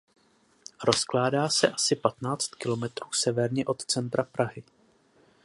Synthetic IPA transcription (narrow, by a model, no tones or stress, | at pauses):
ɾo̞sklaːdaːsɛʔasɪpat̪naːt͡st̪kɪlo̞mɛt̪ɾuːsɛvɛɾɲɛʔo̞t̪t͡sɛnt̪ɾapɾʔaɦɪ